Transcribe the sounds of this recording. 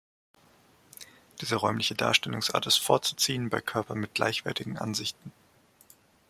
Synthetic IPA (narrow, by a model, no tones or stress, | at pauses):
d̥iːzəʁɔʏmlɪçəda̰ːɐʃtɛlʊŋsʔa̰ːɐtɪstfoːɐt͡su̥t͡siːənbaɪkʰœɐpɐnmɪt̚ɡ̥la̰ɪçv̥ɛɐtɪɡŋ̩ʔa̰nzɪçtn̩